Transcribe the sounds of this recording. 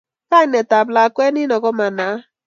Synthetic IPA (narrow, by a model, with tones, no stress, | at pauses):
ka˦ɲ˨ne˨ta˨bla˨kʷe˦ni˦nɔ˨ɡɔ˦ma˨na˨˦